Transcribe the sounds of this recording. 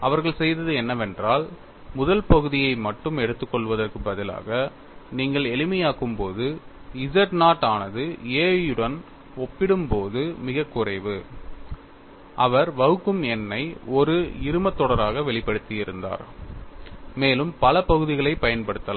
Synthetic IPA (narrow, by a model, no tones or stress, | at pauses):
ɐʋɐɾɣɐɭsɛjðɐðɯɛnːɐʋɛndraːl | mʊðɐlpɐɣɯðɪjɐɪmɐʈːɯmɛɽɯt̪ːɯkːɔɭʋɐðɐrkɯbɐðɪla̰ːɣɐ | niːŋɡɐɭɛɭɪmɐjaːkɯmpoːðɯɪzɐʈnaːʈːaːnɐðɯeːjɯɽɐn | ɔpːɪɽɯmpoːðɯmɪɣɐkːʊrɐɪʋɯ | ʔɐʋɐɾʋɐɣɯkːɯmɛnːɐɪɔɾɯɪɾɯmɐt̪ːɔɽɐɾaːɣɐʋɛɭɪpːɐɽɯt̪ːɪjɪɾɯnd̪a̰ːɾ | meːlɯmpɐlɐpɐɣɯðɪɣɐɭɐɪpɐjɐnpɐɽɯt̪ːɐlaː